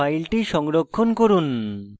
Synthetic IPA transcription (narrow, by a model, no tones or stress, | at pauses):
ajlʈiʃɔŋɾokʰːonkoɾun